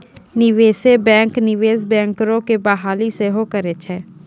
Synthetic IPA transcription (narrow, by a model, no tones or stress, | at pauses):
nɪʋeːsebɛ̃ːŋknɪʋeːsbɛ̃ːŋkɾõkebaɦaːliseɦokəɾet͡ʃʰɛː